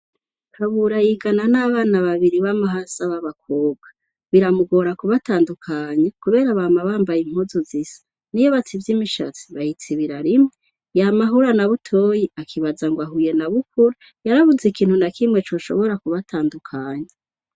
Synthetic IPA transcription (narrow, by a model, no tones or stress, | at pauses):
kʰaβuɾajiɡananaβaːnaβaβiɾiβamaɦasaβaβak̚ʰoːbɡa | βiɾamuɡo̞ɾakuβataːndukʰaːɲakuβe̞ːɾaβaːmaβaːmbajim̥huzuzisḁ | nijoβat͡sivjimiʃa̰t͡si̥βajit͡siβiɾaɾimŋe | jamaɦuɾanaβutʰo̞ːjiakʰiβazaŋɡwaɦuje̞naβuk̚uɾu | jaɾaβuzikiːn̥hunakʰimŋet͡ʃo̞ʃo̞̰βo̞ɾakuβataːndukʰaːɲa